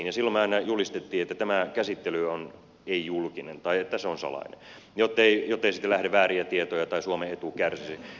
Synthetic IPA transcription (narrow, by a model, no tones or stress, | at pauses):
njɑsilːomɑˑinɑjulist̪et̪ːiːet̪ːæt̪æmækæsit̪ːelyon | eijulkinḛnt̪ɑiet̪ːæseonsɑ̰lɑ̰inḛ | jot̪ːeijot̪ːeisit̪ːelæhdeʋʋæːriæt̪iet̪ojɑt̪ɑisuomeet̪ukærsisi